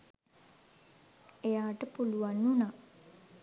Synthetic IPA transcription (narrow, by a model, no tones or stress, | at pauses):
ejaːʈəpuluʋanːunaː